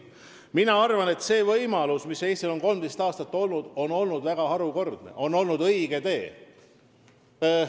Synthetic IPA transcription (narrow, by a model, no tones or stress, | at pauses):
minɑɑrvɑne̞t̪se̞ːvɤjmɑlusmiseːsʲt̪ilo̞nko̞lmd̥̪est̪ɑːst̪ɑt̪ːo̞lnud̪̥o̞no̞lnud̪væɡ̥ɑhɑɾuko̞rd̪̥nḛʔo̞nːo̞lnud̪ɤjɡ̥e̞t̪e̞ː